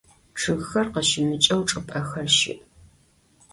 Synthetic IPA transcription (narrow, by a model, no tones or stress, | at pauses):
ʈ͡ʂʰɨɣxɐrqɐʃɪmɨt͡ʃʼɐwʈ͡ʂʼɨpʼɐxɐrʃɪ̰ʔ